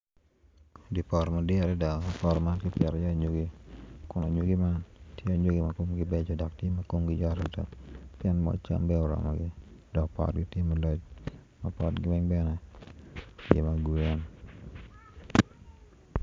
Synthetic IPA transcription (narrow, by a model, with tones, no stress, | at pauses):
di˨pɔ˨ɾma˨dɪa˨ɾɛ˦da˨pɔɾma˦nkɪ˦pjɛ˨ɾɔd͡ʒɔ˦ɲo˨ɡi˦kʊ˦no˨ɲu˨ɡi˦ma˦ntje˦a˨ɲo˦ɡi˨ma˨ko˦mɡɪbe˦d͡ʒɔdɔ˨k̚tje˦mako˦mɡɪd͡ʒɔ˦ɾɛdə̰˨kpjɛ˦nmɔ̰˨t͡ʃa̰˦nbɛ˦ɔɾɔ̰˨mɔ˨ɡɪ˦d̥ɔ˨k̚pɔ̰˨t̚ɡi˦tje˦malɔ˦t͡ʃ | mapɔ˦tɡɪmɛ˦ŋbɛ˦nɛ˨ | ɡḛ˨maɡu˨ɛ˦n